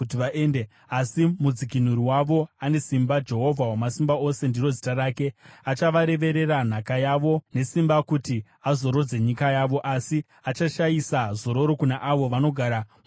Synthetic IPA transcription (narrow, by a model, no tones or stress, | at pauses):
utiʋaʔeːnde | asimud͡zikin̤uɾiwaʋo̞ane̞simbad͡ʒe̞ɦo̞vʱawamasimbao̞se̞ndiro̞zitaɾaːke̞at͡ʃaʋaɾe̞ʋe̞ɾe̞ran̤akajaʋo̞ne̞simbakuti | azo̞ɾo̞d͡ze̞ɲikajaːʋo̞ʔasi | at͡ʃaʃajisazo̞ɾo̞ɾo̞kunaʔaʋo̞ʋano̞ɡʱaɾa